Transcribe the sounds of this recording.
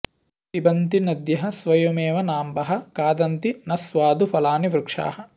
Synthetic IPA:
ibɐnt̪inɐd̪jɐɦɐsʋɐjoːmeːʋɐnaːmbɐɦɐkaːd̪ɐnt̪inɐsʋaːd̪ufɐlaːniʋɾukʂa̰ːhɐ

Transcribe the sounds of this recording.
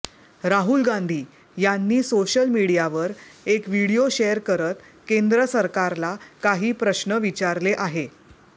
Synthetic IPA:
ɾaɦulɡãnd̪ʱiː | janːiːsoɕəlmiɽijaʋəɾekʋiɽijoɕejəɾkəɾət̪ | kend̪ɾəsəɾkaɾlakaɦiːpɾəɕnəʋit͡ɕaɾleʔaɦe

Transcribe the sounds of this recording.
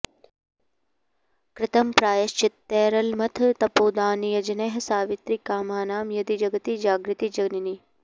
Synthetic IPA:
kɾɪt̪ɐmpɾaːjɐʃt͡ʃɪt̪ːeːɾɐlmɐt̪ʰt̪ɐpoːd̪aːnijɐd͡ʒɐneɦɐsaːʋit̪ɾikaːmaːnaːmjɐd̪id͡ʒɐɡɐt̪id͡ʒaːɡɾɪt̪id͡ʒɐɡnini

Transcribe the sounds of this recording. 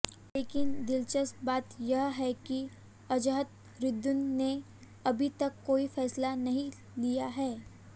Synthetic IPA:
leːkɪnd̪ɪlt͡ʃəsbaːt̪jɐɦɦɛki | ɐd͡ʒəɦət̪ | ɾɪd̪ːʊnːe | ɐbʱit̪ɐkːoːifɛːslanɐɦĩ | lijaɦɛː

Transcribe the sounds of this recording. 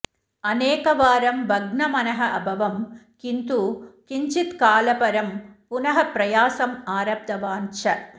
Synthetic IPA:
ɐneːkɐʋaːɾɐmbʱɐɡnɐmɐnɐɦɐʔɐbʱɐʋɐmkint̪ukiɲt͡ʃit̪kaːlɐpɐɾɐmpunɐɦɐpɾɐjaːsɐmaːɾɐb̚d̪ɐʋaːnt͡ʃɐ

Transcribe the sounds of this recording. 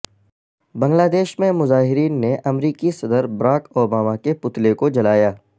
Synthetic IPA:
bɐ̃ŋɡlaːd̪eːʃmẽmʊzaːɦɪɾiːnːeʔɐmɾiːkisɐd̪əɾbɐɾaːkoːbaːmakepʊt̪lekod͡ʒɐlaːjaː

